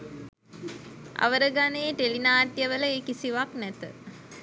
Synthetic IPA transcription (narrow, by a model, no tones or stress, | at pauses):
a̰ʋəɾəɡaneːʈelinaːʈjəʋələeːkisiʋaknɛt̪ə̰